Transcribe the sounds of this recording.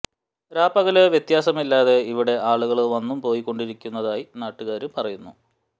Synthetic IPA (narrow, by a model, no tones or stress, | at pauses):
ɾaːpɐɣɐlɨʋjet̪jaːsɐmilːaːðe̞iʋiɽe̞ʔaːɭuɣɐɭʋɐnːumpo̞ːjikːo̞ɳɖiɾikʲːunːɐðaːjinaːʈːuɣaːɾupɐrɐjunːu